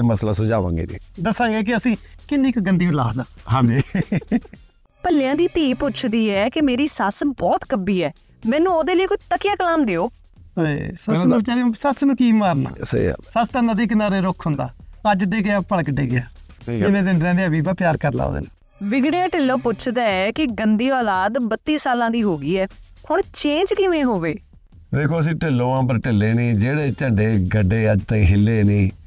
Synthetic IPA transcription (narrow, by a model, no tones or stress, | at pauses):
eməsla̰ːsʊd͡ʒaːʋã̰ːŋɡḛːd̪ḭːd̪əsãːŋɡeːk̬ɪəsĩːkɪnːiːkɡənd̪iːbla̰ːd̪aːãːnd͡ʒiː | pəlɪjãːd̪iːt̪iːpʊt͡ʃʰd̪iːɛːkɪmeːɾiːsəsbɔːt̪kəbiːɛː | mɛ̃ːnũːoːd̪eːləiːkoit̪əkɪjaːkəlaːmd̪eːoː | ḛːsəãd̪abɪt͡ʃaːɾeːsəsnũːkiːmaːɾna̰ːsə̰ḭsəst̪ə̃nd̪ãːd̪iːkɪnaːɾeːɾʊkʰːɦʊnd̪aːəd͡ʒɖeːɡɪãːpəɽkɖeːɡɪjaː | ɪnẽːd̪ɪɳɖɾɛ̃ːd̪ejãːbiːbaːpjaːɾkəɾla̰ːd̪ḛːneː | ʋɪɡɽejãːʈɪlːõːpʊt͡ʃʰd̪aːɛːkɪɡənd̪iːɔːlaːd̪bət̪ːiːsaːlãːd̪iːɦoːɡiːɛːkʊɳt͡ʃẽːnd͡ʒkɪʋẽːɦoːʋeː | d̪eːkʰoːəs̬ĩːʈɪlːõːãːpəɾʈɪlːeːnĩːd͡ʒeːɽeːt͡ʃəɖeːɡəɖːeːəd͡ʒt̪ãːĩːɦɪlːeːnĩː